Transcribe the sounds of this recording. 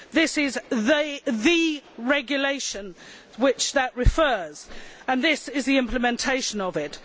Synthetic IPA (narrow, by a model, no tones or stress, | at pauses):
ðɪsɪzðəðɨɹɛɡjəleɪʃə̃n | wɪt͡ʃðəʔɹɪfɜːz̥ə̃nðɪsɪzðiɪ̃mpʰləmɛ̃ntʰeɪʃə̃nəvɪt